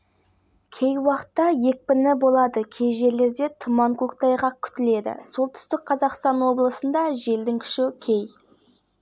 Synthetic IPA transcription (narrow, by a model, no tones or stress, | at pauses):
kʲʰe̞jwɑqə̥t̪ːɑje̞k̚ʲpɪnɪbo̞lˠɑd̪əkʲʰe̞jʒe̞ɾle̞ɾd̪e̞t̪ʰʊmɑŋkukt̪ɑjʁɑkʲʰʏ̥t̪ɪle̞d̪ɪ̰so̞lˠt̪ʰʏ̥st̪ɪk̚qʰɑzɑqst̪ɑnwo̞blˠəsənd̪ɑʒe̞ld̪ɪŋkʲʰʏ̥ʃɪkʲʰej